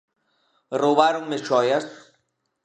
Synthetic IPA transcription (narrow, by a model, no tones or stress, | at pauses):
roβaɾoŋmet͡ʃɔjas